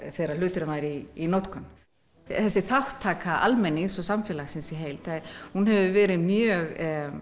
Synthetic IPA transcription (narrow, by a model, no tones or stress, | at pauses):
θejɾal̥ʏːt̪ɪɾɪmaːjɾiːnot̪kʏn | θɛsːɪθawht̪ʰːaːkaʔa̰lmɛnːisɔsamfjɛːlaɣsɪnsɪɦejlt̪θahunɦɛvʏvɛːɾɪmjœːɣ